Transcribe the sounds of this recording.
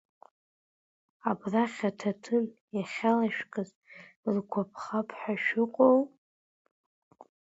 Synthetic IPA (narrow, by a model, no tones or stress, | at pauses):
abraχʲatʰatʰɨnjaχʲalaʃᶣkʼɨz | rɡʷʰapʰχapʰʼħaʃᶣɪqʷʼow